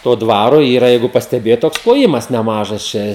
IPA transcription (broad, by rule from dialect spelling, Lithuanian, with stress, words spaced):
ˈtoː ˈdʋɑːroː ˈiːrɐ ˈjɛɪɡʊ pɐsʲtʲɛˈbʲeːjoːt ˈtoːks klˠoːˈjɪmɐs nʲɛˈmɑːʒɐs t͡ʃʲɛ